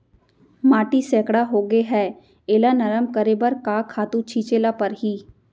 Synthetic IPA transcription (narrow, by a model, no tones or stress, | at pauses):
maːʈisɛːkɽaɦoːɡeɦɛː | eːlanɐɾəmkəɾeːbəɾkakʰaːt̪ũt͡ʃʰiːt͡ʃeːlapɐɾɦiː